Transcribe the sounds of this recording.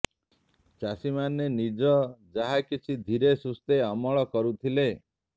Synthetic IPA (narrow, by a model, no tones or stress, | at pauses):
t͡ʃasimanːenid͡ʒɔd͡ʒaɦakit͡ʃʰid̪ʱiɾesust̪eɔmɔɭɔkɔɾut̪ʰile